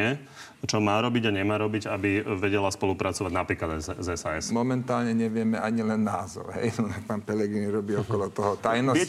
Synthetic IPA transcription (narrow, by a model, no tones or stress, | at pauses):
ɛ | t͡ʃɔmaːɾɔbiɟaɲɛmaːɾɔbiɟabiʋɛɟɛlaspɔlupɾʔat͡sɔʋaɟnapɾiːklad̪azɛsaɛsmɔmɛnt̪aːlɲɛɲɛʋɪɛmɛʔaɲilɛnːaːzɔ̰ʊɦɛ̰jnɔak̚paːnpɛlɛɡɾinɾɔbiːɔkɔlɔt̪ɔɦɔt̪ajnɔɪɛ